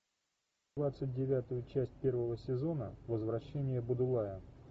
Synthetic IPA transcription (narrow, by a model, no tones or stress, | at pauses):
vat̪sɨt̚ʲdʲɪvʲat̪ʊjʊt͡ɕæsʲt̚ʲpʲe̞rvəvəsʲɪzo̞nəvəzvɾɐɕːenʲɪjəbʊd̪ʊlˠajə